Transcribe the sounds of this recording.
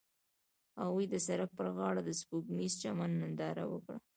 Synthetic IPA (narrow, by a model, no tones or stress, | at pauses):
awujd̪əsaɾak̚pəɾɣɑɽad̪əspukmist͡ʃamanːɪnd̪ɑɾa̰wə̰kɽa̰